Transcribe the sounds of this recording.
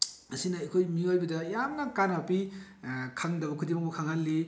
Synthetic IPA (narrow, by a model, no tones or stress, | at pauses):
mɐsinɐɐkʰojmiojbidɐjamnɐkanaapi | kʰaŋdɐbɐkʰudimaŋbukʰaŋalːi